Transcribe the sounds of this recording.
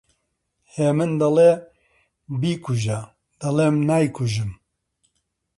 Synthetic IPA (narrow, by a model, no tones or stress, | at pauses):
heːmɨnd̪ɐle | biːkʰuʒa | d̪̥ɐleːmnajkʰuʒɨm